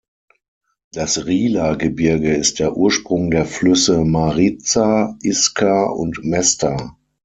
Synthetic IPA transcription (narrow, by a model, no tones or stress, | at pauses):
d̥asʁiːlaɡəbɪɐɡəɪst̚d̥eːɐʔuːɐʃpʁ̥ʊŋdeːɐflʏsəmaʁit͡saʔɪskʰaʊ̰ntmɛstʰa